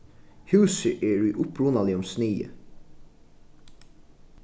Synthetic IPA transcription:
hʉːsəʔeːɹʉʔʊpɹuːnɑliɔmsniːə̰

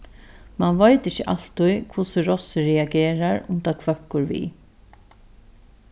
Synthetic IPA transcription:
manʋajt̪ɪçəʔal̥t̪ʊjkʰvʊsəɹɔsɪɹɛaɡeːɾaɹʊnt̪akʰvœkːʊɹʋḭ

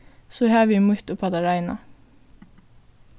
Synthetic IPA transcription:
soːhæːʋimʊt̪oːpʰɑd̪ɑɾɑɪnɑ̰

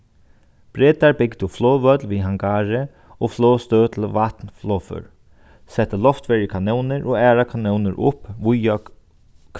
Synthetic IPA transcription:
b̥ɾeːt̪aɹbɪɡd̪əflɔːʋœt̪lʋiːɦaŋɡaːɹɪ | ofloːst̪øːt̪ʰlʋat̪nflɔːfʏ̰ɹ | sɛt̪ːəlɔft̪ʋɛːɹjəkʰanuwnɪɹʔɔæːɹakʰanuwnɪɾʔʊ̰pʋʊja

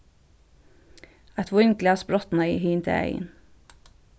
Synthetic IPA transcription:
æt̪ʋʊnklɑːspɾɔt̪nɑɪhiːnt̪ʰḛæ̰ɪ̰n

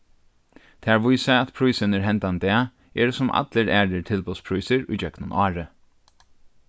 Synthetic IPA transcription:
t̪ʰæːɹʋujsaæt̪pʰɾujsənəɹɦɛnt̪and̪æː | ɛːɾsʊmʔa̰t̪ləɾæːɹəɹt̪ʰɪlpɔspʰɾujsɪɹujd͡ʒœknʊnʔɑːɹə

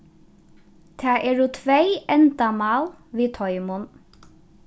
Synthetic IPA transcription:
t̪ʰæːʔeːɹuːt̪ʰʋeɪʔɛnd̪amɑːlʋeːt̪ʰɔʏmʊn

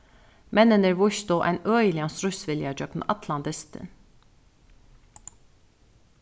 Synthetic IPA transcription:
mɛnənəɾʋʊʃt̪oːʔæ̰ɪnœʏəlɪɑnsɾʉsʋɪljɑd͡ʒœkn̩̰ʔɑt̪ʰlɑnd̪ɪst̪ʰə̰n

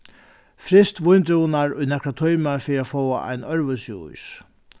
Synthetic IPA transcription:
fɾɪst̪ʋʊjnt̪ɾɪnaɾʊjnɛkɾat̪ʰɔjmaɾfɛːɾiaːfɔwa̰ʔa̰jnœɾʋʏsuʊ̰js

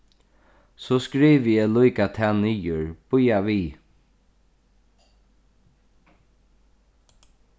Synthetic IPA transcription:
sɔskɾiːʋəjɛːlujkat̪ʰɛniːjʊɹb̥ʊjaʋiː

